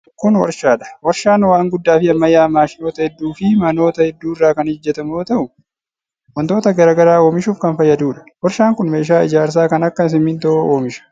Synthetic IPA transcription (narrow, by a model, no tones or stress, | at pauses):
kʊnwɐ̰ɾʃaːᶑɐ̥wɐɾʃaːnwaːŋɡʊd̪ːaːfɪɐmːɐjaːmaːʃɪno̞ːt̪ɐhɛd̪ːuːfɪmɐno̞ːt̪ɐhɛd̪ːuːɪrːaːkɐnhɪd͡ʒːɛt̪ɐmo̞ːt̪ɐʔʊ | wɐnt̪oːt̪ɐɡɐɾaːɡɐɾaːo̞ːmɪʃuːfkɐnfɐjːɐd̪uːᶑɐ̥wɐɾʃaːŋkʊnme̞ːʃaːɪd͡ʒaːɾs̬aːkɐnɐkːɐs̬ɪmːɪnt̪ɐoʔoːmɪʃɐ̥